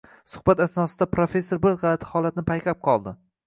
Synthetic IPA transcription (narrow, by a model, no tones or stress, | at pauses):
sʊχbat̪asnɒsɪd̪apɾofe̞sːoɾbɪɾʁɑat̪ʰɪ̥hɒlˠat̪nɪpʰajkʲʰap̚qʰɒlˠd̪ɪ